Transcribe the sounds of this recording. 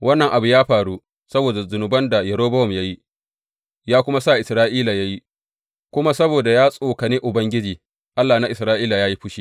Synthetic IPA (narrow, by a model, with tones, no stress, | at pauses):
wɐ˦nːɐ˨ŋʔa˨bu˨jaː˦ɸaː˨ɽu˦ | sɐ˦boː˨da˨zʊ˨nʊ˨bɐ˦nda˨jɛ˨ɾoː˦bɐ˦hɔ˨mja˦ji˦ | jaː˦kʷʊ˦ma˦sa˦˨ʔɪ˨sɾaː˦ʔiː˦la˨ja˦ji˦ | kʷʊ˦ma˦sɐ˦boː˨da˨jaː˦sʼoː˨kɐ˨niː˦ʔʊ˨bɐ˦ŋɡʲɪ˦d͡ʒiː˨ | ʔa˦lːaː˨na˦ʔɪ˨sɾaː˦ʔiː˦la˨jaː˦ji˦ɸʊ˦ʃiː˦